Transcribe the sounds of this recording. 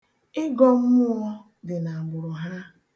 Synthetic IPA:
ɪ˦ɡɔ˦m̩˦mʊ˦ɔ˦ | dɪ˨na˨ɡ͡bʊ˨ɾʊ˨ɦa˦

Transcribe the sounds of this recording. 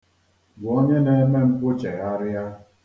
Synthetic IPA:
bʊ˨o˦ɲe˦ne˦me˦m̩˦pʊ˦t͡ʃe˨ɣa˦ɾɪ˦a˦

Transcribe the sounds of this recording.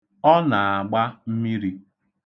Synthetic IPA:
ɔ˦na˨a˨ɡ͡ba˦m̩˦mi˦ɾi˦

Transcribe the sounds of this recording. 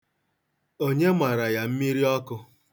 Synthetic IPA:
o˦ɲe˦ma˨ɾa˨ja˨m̩˦mi˦ɾi˦ɔ˦kʊ˦

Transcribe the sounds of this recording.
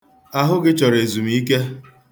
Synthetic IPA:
a˦ɦʊ˦ɡɪ˦t͡ʃɔ˨ɾe˨zu˨m̩˨i˦ke˦

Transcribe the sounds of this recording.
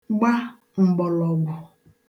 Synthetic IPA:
ɡ͡ba˦ | ŋ͡m̩˨ɡ͡bɔ˨lɔ˨ɡʷʊ˨

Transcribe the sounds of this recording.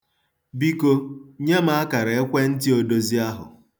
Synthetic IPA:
bi˦ko˦ɲe˦m˦a˦ka˨ɾa˨e˦kʷe˦n̩˦ti˦o˨do˦zi˦a˦ɦʊ̰˨

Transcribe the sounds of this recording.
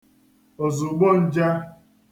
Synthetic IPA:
o˨zʊ˨ɡ͡bo˦˨n̩˦d͡ʒa˦

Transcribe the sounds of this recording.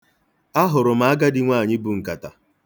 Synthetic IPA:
a˦ɦʊ˨ɾʊ˨m̩a˨˦a˦ɡa˦dɪ˦ŋʷaː˦˨ɲɪ˦bu˨ŋ̩˨ka˨ta̰˨

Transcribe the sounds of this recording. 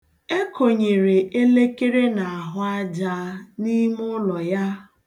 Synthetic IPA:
e˦kʰo˨ɲe˨ɾe˨ʔe˦le˦ke˦ɾe˦na˨a˨ɦʊ˨a˦d͡ʒa˦ni˦mʊ˦lɔ˨ja˦

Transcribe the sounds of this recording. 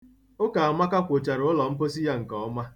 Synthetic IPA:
o˦ka˨a˨ma˦ka˦kʷo˨t͡ʃa˨ɾʊ˨˦lɔ˨m̩˦po˦si˦ja˦ŋ̩˨kɔ˨ɔ˦ma˦

